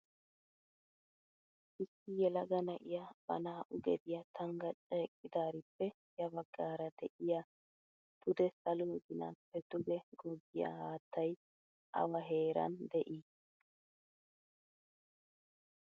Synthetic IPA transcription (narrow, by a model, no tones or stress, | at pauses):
ʔɪsːɪjɛlɐɡɐnɐʔɪjab̥ɐ̰naːʔʊɡɛd̪ɪjɐt̪ʰɐŋɡɐt͡ʃʼeːkʼːɪd̪aːɾɪpːɛ | jɐbɐɡːaːɾɐd̪ɛʔɪja | t̪ʊd̪ɛsɐlʊɡɪnɐ̰pɛt̪ːʊɡɛɡɔɡːɪjɐ̰haːt̪ːɐj | ʔɐ̰wɐɦe̞ːɾɐ̰nd̪ɛʔi